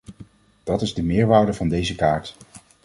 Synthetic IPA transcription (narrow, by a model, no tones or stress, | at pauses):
d̥ɑtɪzdəmɪːɹʋaːɹdəvɑndejzəkaːɹt